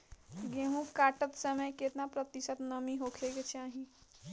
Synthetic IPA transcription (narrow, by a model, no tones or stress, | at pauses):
ɡeɦũkaːʈət̪səməjket̪napɾət̪isət̪nəmiɦokʰeɡet͡ʃʰaːɦĩ